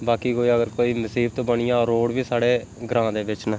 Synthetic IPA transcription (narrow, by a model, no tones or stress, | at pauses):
baːkiːkoːiːəɡəɾkoːiːnəsiːb̚t̪õːbəɳɪjãːɾoːɽʋiːsaːɽeː | ɡɾãːd̪eːʋɪt͡ʃnãː